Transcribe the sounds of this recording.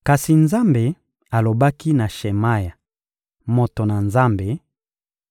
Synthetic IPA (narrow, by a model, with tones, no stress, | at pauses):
ka˨si˨nza˦mbe˨ | a˨lo˨ba˦ki˦na˨ʃe˨ma˦ja˨ | mo˨to˨na˨nza˦mbe˨